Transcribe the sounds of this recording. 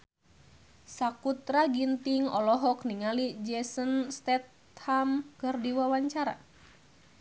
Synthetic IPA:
sakut̪ɾaɡint̪iŋɔlɔɦɔkniŋalid͡ʒɛsənst̪ɛt̪̚ | hamkɨrdiwawaɲt͡ʃaɾa̰

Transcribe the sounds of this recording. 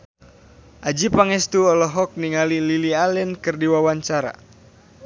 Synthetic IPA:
ʔad͡ʒipaŋɛst̪uɔlɔɦɔk̚niŋalililialɛnkɨrdiwawaɲt͡ʃaɾa̰

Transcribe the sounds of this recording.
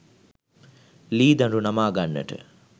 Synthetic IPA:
liːd̪ɐɳɖunɐmaːɡanːə̰ʈə̰

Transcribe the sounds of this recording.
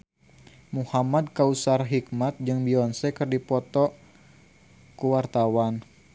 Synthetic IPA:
muhamadkausarɦik̚mat̪̚d͡ʒɨŋbiɔnsɛkɨrdipɔt̪ɔ | kuwart̪awan

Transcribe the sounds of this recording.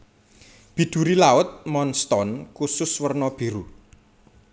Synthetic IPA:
b̥i̤d̪̥ṳɾilaʊt̪̚mɔnst̪ɔnkusʊswərnɔb̥i̤ɾu

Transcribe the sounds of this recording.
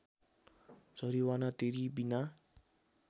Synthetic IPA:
d͡zʱʌɾiwanat̪eɾibina

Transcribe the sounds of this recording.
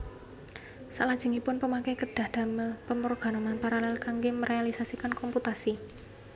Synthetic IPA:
salad̥ʒ̥ə̤ŋipʊnpəmakɛkəd̥a̤hd̪̥a̤məlpəmɾoɡ̥a̤nɔmanpaɾalalkaŋɡeməɾʔealisasikankɔmput̪asi

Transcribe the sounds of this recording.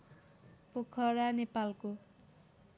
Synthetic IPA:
pokʰʌɾanepalko

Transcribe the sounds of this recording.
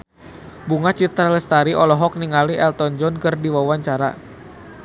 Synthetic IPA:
buŋat͡ʃit̪ɾaləst̪aɾiʔɔlɔɦɔk̚niŋaliʔɛlt̪ɔnd͡ʒɔnkərdiwawaɲt͡ʃaɾa̰

